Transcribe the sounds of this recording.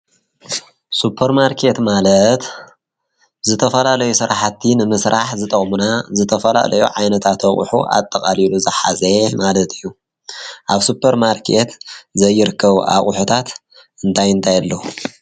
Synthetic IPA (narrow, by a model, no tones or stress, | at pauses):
supʰːɐɾmaɾkʰe̞t̪malɐt̪ | zɨt̪ʰɐfɐlalɐjusɨɾaħat̪ʰːinɨmɨsɾʔaħzɨt̪ʼɐχʼmunazɨt̪ʰɐfɐla̰lɐ̰jṵʕajnɐt̪ʰat̪ɐχʼṵħṵʔa̰t̪ʼːɐkʼaliluzɐħazemalɐt̪ʰɨjːu | ʔaβsupʰːɐɾmaɾkʰet̪zɐjːɪɾɨkːɐβʔa̰χʼħut̪ʰat̪ | ɨnt̪ʰajɨnt̪ʰajalːɐhu